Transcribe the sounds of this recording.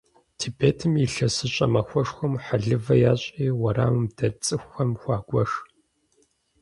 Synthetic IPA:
tʰiːbeːtʰɨmiɬɐsɨɕʼɐmɐxʷɔʂxʷʊmħaɮɨvɐjaːɕʼiːwɐra̰ːmɨmdɐt͡sʼɨxʷɐmxʷɑːɡʷɔʂ

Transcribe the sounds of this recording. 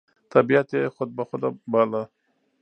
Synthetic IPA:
t̪abijat̪exʊd̪̚baxʊd̪abala

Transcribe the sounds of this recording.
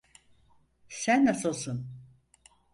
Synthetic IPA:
sænːasɯlˠsun

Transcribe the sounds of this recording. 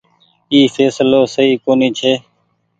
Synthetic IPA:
iːfeːsloːsəiːkoːniːt͡ʃʰeː

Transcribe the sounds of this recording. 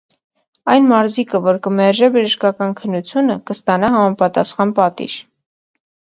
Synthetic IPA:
ɑjnmɑɾzikəvɔɾkəmɛɾʒɛbəʒəʃkɑkɑnkʰənːut͡sʰjunəkəst̪ɑnɑhɑmɑpɑt̪ɑsχɑnpɑt̪ḭʒ

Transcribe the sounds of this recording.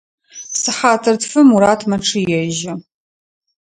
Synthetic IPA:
sɨħaːtʰɐrtfɨmuɾaːtʰmɐʈ͡ʂʰɨjɛʒɐ

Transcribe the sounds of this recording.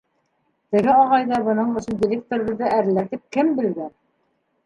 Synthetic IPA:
b̪ɘ̆ɡɘɑʁɑjðɑbɤ̆nɤɴɵ̆sɵ̆ndʲɪlʲek̚t̪oɾɘ̆βɘ̆ðːɘʔæɾlæɾt̪ip̚kɘmbɘ̆lɡæn

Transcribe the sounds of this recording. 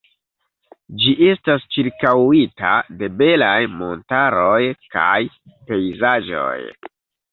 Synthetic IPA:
d͡ʒiʔe̞stast͡ʃiɾkawita̰de̞be̞lajmo̞̰ntaɾo̞jka̰j | pe̞jzaʒo̞̰j

